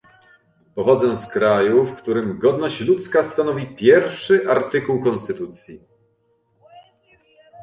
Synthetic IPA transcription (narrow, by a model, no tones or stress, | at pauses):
pɔxɔd̪zɛskɾajufkt̪uɾɘmɡɔd̪nɔɕt͡ɕlut̪skast̪anɔvʲipʲjɛɾfʂɘʔaɾt̪ɘkuwkɔnst̪ɘt̪ut̪sʲji